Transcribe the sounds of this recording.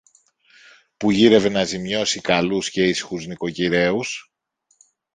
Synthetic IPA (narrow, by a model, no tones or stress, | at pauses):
puʝiɾe̞ve̞nɐzimɲo̞sikɐlusce̞isi̥xuzniko̞ciɾe̞us